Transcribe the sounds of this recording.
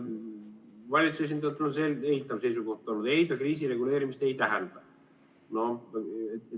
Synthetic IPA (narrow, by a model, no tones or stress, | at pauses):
vɑlʲit̪suses̬ind̪ɑjɑt̪ːˑelonseleɦit̪ːˑɑvsejsuko̞ht̪ːˑolːnːud̪e̞jd̪ɑkriːsire̞ɡule̞ːɾimist̪e̞jt̪æɦænd̪̥ɑ | no̞et̪